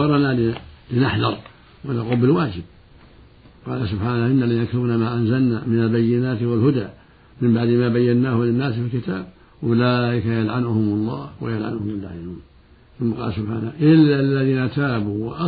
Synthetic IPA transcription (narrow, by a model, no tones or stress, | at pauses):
ɑɾˤnalɪlɪnaħd̪ɑɾˤ | wanaquːlbɪlwaːd͡ʒɪb̚ | qɑːlasʊbħaːnahʔɪnːalɪjakaluːnamaːʔanzalnamɪnalbajːɪnaːt̪walhʊd̪aː | mɪmbaʕd̪maːbajːanːaːhʊlɪnːaːsfilkɪt̪aːb̚ | ʔʊlaːʔɪkajalʕanʊhʊmɑlˤːɑːhwa̰jalʕa̰nʊhʊmalːa̰ʕjanuːn | θʊmːaqɑ̰ːlasʊbħaːnaʔɪlːalːaðiːnat̪aːbuwʔɑ